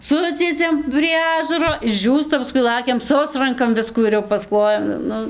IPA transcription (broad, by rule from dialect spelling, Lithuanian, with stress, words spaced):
ˈsʊt͡sʲiɛsʲɛm pʲrʲiɛ ˈɑːʒɐroː ɪʒʲˈd͡ʒʲuːstɐ pɐˈskʊɪ ˈlˠɑːkʲɛm ˈsʊsrɐŋkɐm ˈʋʲɪskuː ɪr jɛʊ pɐsˈklˠoːjɛm ˈnʊ